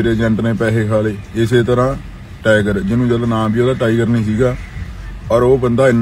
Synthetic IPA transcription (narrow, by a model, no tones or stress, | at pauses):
ɾeːd͡ʒɛ̃ɳʈnẽːpɛːɦeːkʰaːleːɪseːt̪əɾãː | ʈɛːɡəɾd͡ʒɪnũːd͡ʒəlnãːbiːoːd̪aːʈaːiɡəɾnĩːsiːɡaː | ɔːɾoːbənd̪aːɪn